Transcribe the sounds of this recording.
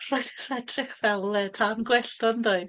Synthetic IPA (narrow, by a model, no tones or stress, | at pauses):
r̥oːjðr̥ɛdrɪkv̥ɛlˠɛtʰanɡwɛɬtɔnðoɨ